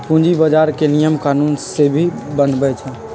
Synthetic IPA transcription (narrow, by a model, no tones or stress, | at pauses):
pʊ̃d͡ʒibəd͡ʒaːɾkenijəmkaːnuːnsebʱibənbət͡ʃʰã